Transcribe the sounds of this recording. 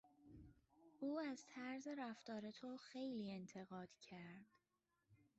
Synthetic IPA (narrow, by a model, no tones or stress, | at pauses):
uːæzt̪ʰæɾze̞ɾæft̪ɒːɾe̞t̪ʰoxejliːe̞nt̪ʰe̞ɣɒːd̪̥cʰæɾd̪̥